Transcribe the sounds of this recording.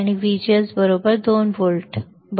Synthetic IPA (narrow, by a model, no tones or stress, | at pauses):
niʋiːd͡ʒiəzbəɾoːbəɾd̪oːnʋoːlʈ | b